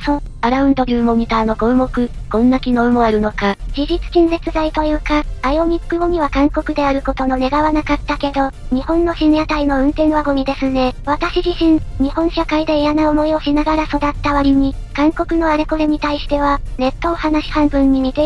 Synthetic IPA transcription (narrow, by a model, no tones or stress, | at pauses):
sõ | aɾaɯ̟̃nd̪oɾʲɯːmo̞ɲ̟ʲit̪aːno̞ɡo̞ɯ̟mo̞kɯ̟kõ̞nːakʲino̞ɯ̟mo̞aɾɯ̟no̞kad͡ʑiʑit͡sɨ̥kʲĩnɾe̞t͡sɨzait̪o̞jɯ̟ːkaːjo̞ɲ̟ikːɯ̟ɡo̞ɲ̟iβakãŋko̞kɯ̟d̪e̞aɾɯ̟ko̞t̪o̞no̞ne̞ɡaβanakat̪ːake̞d̪o̞ɲ̟ihõ̞nːo̞ɕĩɰjat̪aino̞ɯ̟̃nt̪ẽ̞ɰ̃βaɡo̞mʲid̪e̞sɨne̞βat̪aɕiʑiɕĩŋɲ̟ihõ̞ɰ̃ɕakaid̪e̞ejanaomo̞io̞ɕinaɡaɾaso̞d̪at̪ːaβaɾʲiɲ̟ikãŋko̞kɯ̟no̞aɾe̞ko̞ɾeɲ̟it̪aiɕi̥t̪e̞β̞ane̞t̪ːoːhanaɕi̥hãmbɯ̟̃ɲ̟ːimʲit̪e̞